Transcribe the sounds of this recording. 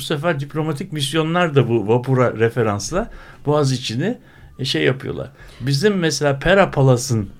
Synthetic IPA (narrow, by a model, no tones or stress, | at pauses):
usefæɾd̪iplʲo̞mat̪ʰicmisjo̞nlˠaɾd̪abuvapʰuɾaɾefe̞ɾanslˠabuazit͡ʃʰini | ʃejːapʰɯjo̞̰lˠa̰ɾ̥ | bizimːɛselʲaːpʰeɾapʰalˠasɯn